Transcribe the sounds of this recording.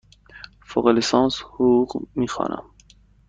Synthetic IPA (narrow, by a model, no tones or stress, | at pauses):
foɣelesɑːnshuuqmiːxɒ̰ːnʔæ̰m